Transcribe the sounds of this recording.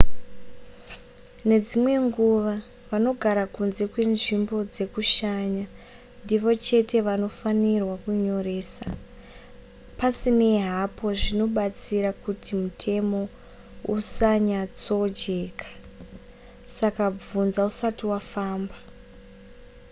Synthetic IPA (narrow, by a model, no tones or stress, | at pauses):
ne̞d͡zimwe̞ŋɡuʋa | ʋano̞ɡʱaɾakunze̞kwe̞nʐimbo̞d͡ze̞kuʃaɲa | ndiʋo̞t͡ʃe̞te̞ʋano̞fanirwakuɲo̞re̞ːsa | pasine̞ɦapo̞ʐino̞ɓat͡siɾakutimutʰe̞mo̞ | usaɲat͡so̞d͡ʒe̞ːkʰḁ | sakab͡vunzausatiwafaːmba